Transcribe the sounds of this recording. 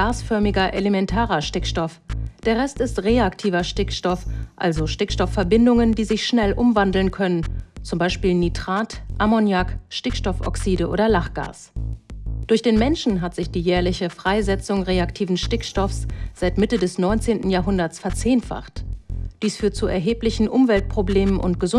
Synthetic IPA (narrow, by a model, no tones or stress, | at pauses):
ɡ̥aːsfœɐmɪɡɐʔelemɛntʰaːʁɐʃtɪkʃtɔfd̥eːɐʁɛstɪstʁeːaktʰiːvɐʃtɪkʃtɔfʔalzoʃtɪkʃtɔfɛɐbɪndʊŋəndiːzɪçʃnɛlʔʊmvandl̩nkʰœnənt͡sʊmbaɪʃpiːlnitʁ̥aːtʔamɔnjakʃtɪkʃtɔfɔ̰ksiːdəʔo̰ːdɐlaχɡ̥a̰ːs | d̥ʊɐçd̥eːnmɛnʃn̩ɦatz̥ɪçd̥iːjɛːɐlɪçəfʁ̥aɪzɛt͡sʊŋʁeːaktʰiːvn̩ʃtɪkʃtɔfsz̥aɪtmɪtədɛsnɔʏnt͡seːntn̩jaːɐɦʊndɐt͡sfɛɐt͡seːnfa̰χtd̥iːsfyːɐt̚t͡suɛ̰ɐɦeːplɪçn̩ʔʊmvɛlt̚pʁ̥obleːmənʔʊ̰ntɡ̥əzʊ